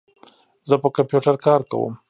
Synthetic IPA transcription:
zəpəkampjuʈaɾkɑɾka̰wə̰m

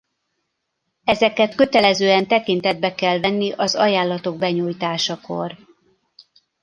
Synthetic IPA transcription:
ɛzɛkɛt̪kø̞t̪ɛlɛzøːɛnt̪ɛkint̪ɛd̪̚bɛkɛlvɛnːiʔɒzɒ̰jaːlːɒt̪o̞ɡ̚bɛɲuːjt̪aːʃɒko̞̰r

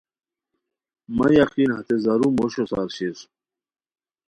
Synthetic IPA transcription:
mɐjɐqiːnhɐt̪ezɐɾumoɕosa̰ːɾɕisu̥

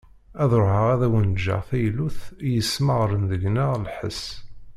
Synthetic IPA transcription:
æðɾohəʁæðæwənd͡ʒːa̰ʁθæjluθjəsːməʁɾənðəɡnəʁlħə̰s

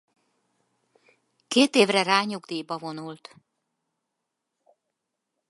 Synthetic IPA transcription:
keːt̪eːvrɛraːɲuɡd̪iːbɒvo̞nult̪

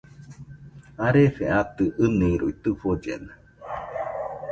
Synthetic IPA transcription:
aɾefeat̪ɨʔɨnĩɾṵit̪ɨfod͡ʒḛna

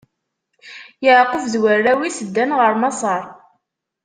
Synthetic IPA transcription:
jəʕqːəvðwərːæwisəd̪ːænʁəɾˤmɑsˤɑɾˤ

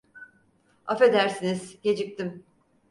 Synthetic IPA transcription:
a̰fe̞d̪æɾsiniz̥jed͡ʒik̚t̪im

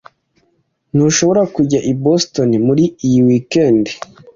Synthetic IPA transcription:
nuʃo̞βo̞ɾakuɟaʔibosto̞nimuɾiijiwikendi

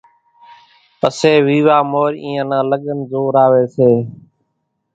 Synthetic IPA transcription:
pəseːʋiːʋaːmoːɾĩːə̃nãːləɠənzoːɾaːʋeːseː

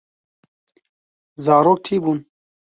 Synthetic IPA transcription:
zaːɾoːk̚ʈʰiːbun

